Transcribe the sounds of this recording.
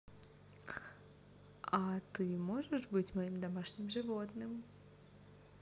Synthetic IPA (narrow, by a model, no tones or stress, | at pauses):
at̪ɨmoʐɨʂbɨtʲmɐimd̪ɐmaʂnʲɪmʐɨvot̪nɨm